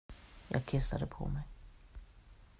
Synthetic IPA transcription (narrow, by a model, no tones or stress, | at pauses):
jɑːɡkʰɪsːad̪əpʰɔ̰mɛj